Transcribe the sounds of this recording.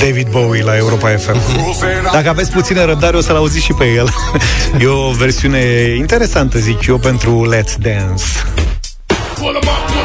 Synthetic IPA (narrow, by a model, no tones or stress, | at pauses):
d̪evid̪bowilae̞uɾo̞pae̞fem | d̪akəavesʲput̪sineɾəb̚d̪aɾeo̞səlauzit̪sʃipejel | jeove̞rsiune̞int̪e̞ɾe̞sant̪əzit͡ʃijo̞pe̞nt̪ɾulet̪d̪ans